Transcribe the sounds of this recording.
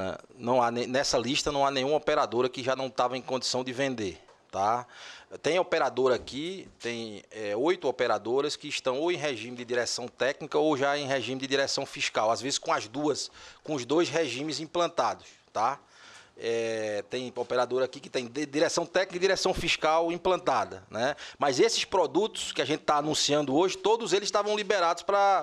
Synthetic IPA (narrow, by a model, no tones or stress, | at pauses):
ɐ̰̃nɐ̃w̃anẽnɛsɐliʃt̪ɐnɐ̃w̃anẽj̃ũmɔpeɾad̪oɾɐkɪʒanɐ̃w̃t̪avɐẽj̃kõnd̪isɐ̃w̃d̪ɪvẽnd̪e | t̪a | t̪ẽj̃ɔpeɾad̪oɾakit̪ẽj̃ɛojt̪ʊɔpɛɾad̪oɾɐskɪːʃt̪ɐ̃w̃oẽj̃ɦeʒĩmɪd̪ɪd̪iɾɛsɐ̃w̃t̪ɛknikɐowʒaẽj̃ɦeʒĩmɪd̪ɪd̪iɾɛsɐ̃w̃fiʃkawazvezɪskõɐzd̪uɐskõʊzd̪ojzɦeʒĩmɪzĩplɐ̃nt̪ad̪ʊs | t̪a | ɛt̪ẽj̃ɔpeɾad̪oɾakikɪ̥t̪ẽj̃d̪iɾɛsɐ̃w̃t̪ɛknikd̪iɾɛsɐ̃w̃fiʃkawĩplɐ̃nt̪ad̪ɐ̰nɛmɐzesɪspɾɔd̪ut̪ʊ̥skɪaʒẽnt̪ɪ̥t̪aːnũsiɐ̃nd̪ʊoʒɪt̪od̪ʊzelɪz̥ʃt̪avɐ̃w̃libeɾad̪ʊspɾɐ